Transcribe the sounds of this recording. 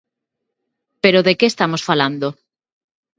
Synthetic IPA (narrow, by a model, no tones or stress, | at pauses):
peɾoðekeːst̪amosfaland̪o